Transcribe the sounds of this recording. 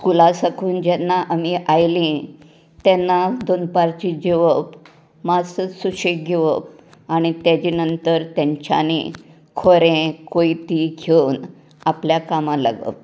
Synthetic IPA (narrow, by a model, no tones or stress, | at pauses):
kulãsəkʰuːnd͡ʑɛnːaʔamiʔajlĩ | t̪jɛnːad̪onpaɾt͡ɕid͡ʑeʋəp | masəsuɕiʈ̚ɡʱeʋəp | aɽ̃it̪jad͡ʑinənt̪əɾt̪jaɲt͡ɕa̰nḭ | kʰoɾẽkoit̪iɡʰewn | apljakamãla̰ɡə̰p̚